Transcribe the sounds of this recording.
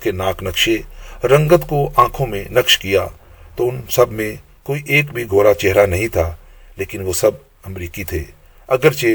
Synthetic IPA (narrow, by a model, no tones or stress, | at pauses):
kenaːknɐkʃeɾɐ̃ŋɡət̪koʔãːkʰõmẽnɐkʃkijat̪oʊnsɐbʱmẽ | koːiʔeːkbʱiɡʱoːɾat͡ʃɛɦɾanɐɦĩt̪ʰaː | leːkɪnʋosɐb̚ | ɐmɾiːkit̪ʰeː | ɐɡəɾt͡ʃe